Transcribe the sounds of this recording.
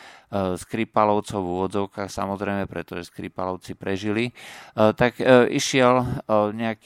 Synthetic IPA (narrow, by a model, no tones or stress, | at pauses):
skɾipalɔʊt͡sɔʊvuːʋɔd͡zɔʊkaːxsa̰mɔzɾɛɪmɛpɾɛt̪ɔʒɛskɾipalɔʊt͡sipɾɛʒilit̪aɡʔiʃɪɛlɲɛak